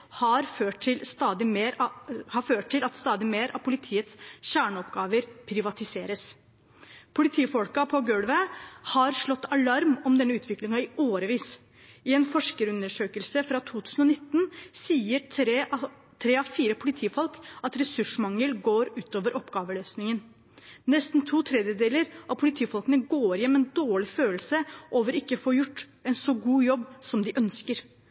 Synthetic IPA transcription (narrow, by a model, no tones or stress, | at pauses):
hɑɾføːʈɪlst̪ɑːd̪ɪmeːɾhɑføːʈ̚ʈːɪlɑt̪st̪ɑːd̪ɪmeːɾʔɑ̰ʋpʰʊlɪt̪ʰiːət̪sɕæːɳəɔpɡɑːʋəɾpʰɾɪʋɑt̪ɪseːɾəs | pʰʊlɪt̪ʰiːfɔlkɑpʰɔɡøːɽʋəhɑɾʂɭɔt̪ːɑlɑɾmɔmd̪ɛnːəʉːt̪ʋɪklɪŋɑɪoːɾəʋiːs | ɪɛːnfɔʂkəɾʉnːəʂøːkəlsəfɾɑt̪ʰuːt̪ʰʉːsən̩ɔnɪt̪ːnsiːə | t̪ʰɾeːɑʋfiːɾəpʰʊlɪt̪ʰiːfɔlkɑt̪ɾɛsʉʂmɑŋəlɡoːɾʉːt̪oːʋəɾʔɔpːɡɑːʋəløːsnɪŋən | nɛst̪nt̪ʰuːt̪ʰɾɛd̪jəd̪eːləɾʔɑʋpʰʊlɪt̪ʰiːfɔlkənəɡoːɾjɛmːɛnd̪oːɭɪføːlsəʔoːʋəɾɪkːəfoːɾjʊʈːɛnsɔɡuːjɔbːsɔmd̪ɪʔœnskəɾ